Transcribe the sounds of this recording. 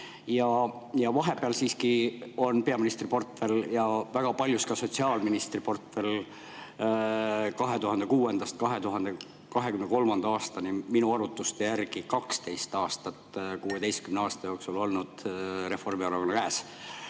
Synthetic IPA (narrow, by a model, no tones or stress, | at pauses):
jɑjɑvɑɦe̞beɑlsiːskio̞npe̞ɑminist̪ripo̞rt̪fe̞ljɑvæɡ̥ɑpɑlʲjuskɑso̞t̪siɑːlminist̪ripo̞rt̪fe̞l | kɑɦe̞t̪uɦɑnd̪e̞kuːe̞nd̪̥ɑst̪̚kɑɦe̞t̪uɦɑnd̪e | kɑɦekymneko̞lmɑnd̪ɑɑːst̪ɑniminuɑɾut̪ːˑust̪ejærɡ̥ikɑkst̪e̞jst̪ɑːst̪ɑt̪kuːe̞t̪e̞jst̪̚kymneɑːst̪ɑjo̞ːksulo̞lnud̪̥re̞fo̞rmiɑɾuko̞nːɑkæːs